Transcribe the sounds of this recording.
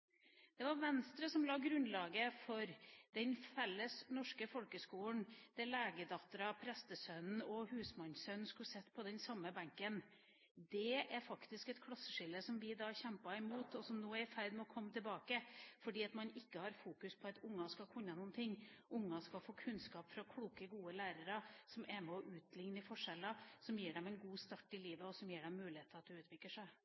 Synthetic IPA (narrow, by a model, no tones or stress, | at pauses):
d̪̥ɛʋɑɾʋɛnst̪ɾəsɔmlɑːɡɾʉnlɑːɡəfɔɾd̪ɛnfɛlːəsnɔʂkəfɔlkəskuːəɳd̪̥ɛlæːɡəd̪ɑt̪ːɾɑpʰɾɛst̪əsœnn̩ɔhʉːsmɑnsœnn̩skʉsɛt̪ːpʰɔd̪ɛnsɑmːəbɑŋkən | d̪ɛæɾfɑkt̪ɪskɛt̪kʰɽɑsːəʂɪləsɔmʋɪd̪ɑːçɛmpɑɪmuːt̪ɔsɔmnoːæɾɪfæɾd̪mɛɔkʰɔmːt̪ʰɛbɑːkəfɔɖiːɑt̪mɑnɪkːəhɑɾfuːkʉspʰɔɑt̪ʊŋːɑskɑkʰʉnːɑnʊːnt̪ʰɪŋːʔʊŋːɑskɑfoːkʰʉnskɑːpfɾɑkʰɽuːkəɡuːəlæːɾəɾəsɔmʔɛmɛɔʔʉːt̪lɪŋnɪfɔʂɛlːɑsɔmjiːɖɛmɛɪnɡuːst̪ɑʈːɪliːʋəɔsɔmjiːɖɛmːʉːlɪheːt̪ʰːəɑt̪̚d̪ɛʉːt̪ʋɪkːəʂæɪ